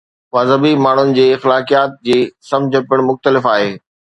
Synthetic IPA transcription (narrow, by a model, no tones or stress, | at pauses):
ʋaːzəbimaːɳ̤ʊnɪ̆d͡ʑeːɪxlaːkijaːt̪̚d͡ʑeːsɐ̃md͡ʑʱə̃pɪəɽ̃mʊxt̪əlɪfaːɦeː